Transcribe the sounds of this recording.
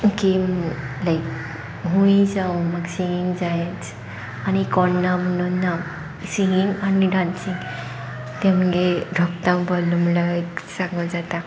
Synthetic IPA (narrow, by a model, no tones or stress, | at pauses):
kimlajk | ɦũĩd͡zaũməɡsĩɡiŋɡd͡zajet͡s | añikɔɳnam̤ənunːa | siŋɡiŋɡaniɖãnsĩŋ | t̪ɛ̃m̤əɡeɖʱɔk̚t̪ãwbəlːumlat̪sãŋɡəd͡zat̪a